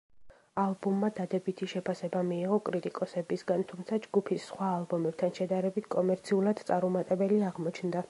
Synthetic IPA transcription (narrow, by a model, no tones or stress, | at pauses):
alˠbumːad̪ad̪ɛbit̪ʰiʃɛpʰasɛbamiːʁɔkʼɾit̪ʼikʼɔsɛbisɡant̪ʰumt̪sʰad͡ʒɡupʰisːχwaːlˠbɔmɛb̥̚t̪ʰanʃɛd̪aɾɛbit̪ʰkʼɔmɛɾt̪sʰiulˠad̪̥t̪sʼaɾɔmat̪ʼɛbɛliaʁmɔt͡ʃʰnd̪a